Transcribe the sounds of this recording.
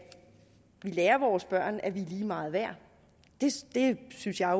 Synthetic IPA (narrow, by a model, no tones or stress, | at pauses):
ʋileːɐʋɒːsb̥ɶɐ̰næʋiliːmɑ̈ːð̞̩ˠʋæɐ̰ | d̥e̝d̥e̝synsjɑ̈ɪ